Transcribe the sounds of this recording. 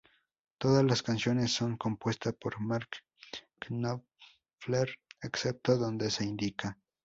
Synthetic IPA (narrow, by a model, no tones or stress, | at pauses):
t̪oðazlaskansjo̞nesːoŋko̞mpwe̞st̪aspoɾmaɾk | kno | fleɾeksep̚t̪oðo̞nd̪e̞seind̪ikʰa